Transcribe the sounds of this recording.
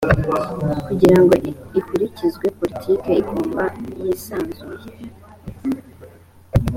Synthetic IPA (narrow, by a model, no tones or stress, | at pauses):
kuɟiɾaŋɡo̞ikuɾicizɡwe̞po̞litʰike̞iɡoːmbajisaːnzuje